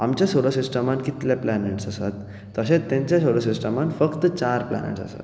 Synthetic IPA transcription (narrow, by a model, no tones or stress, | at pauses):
amt͡ɕjasoɽasisʈəmankit̪leplaneʈsasat̪ː | əɕẽt̪ːɛ̃ɲt͡ɕjasoɽasisʈəmanfəkt̪t͡ɕaɾpla̰nḛʈsa̰sa̰t̪